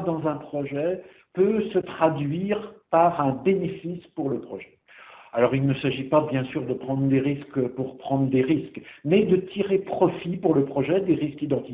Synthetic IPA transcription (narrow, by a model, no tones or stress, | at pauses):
d̪ɑ̃zɛ̃pχɔʒɛ | pøsət̪χad̪ɥiʁpaʁɛ̃benefispuʁləpχɔʒɛ̥ | alɔʁilnəsaʒipabjɛ̃syʁd̪əpχɑ̃d̪ʁd̪eʁiskpuʁpχɑ̃d̪ʁəd̪eʁiskmɛd̪ət̪ʰiʁepχɔfipuʁləpχɔʒɛd̪eʁiskid̪ɑ̃t̪i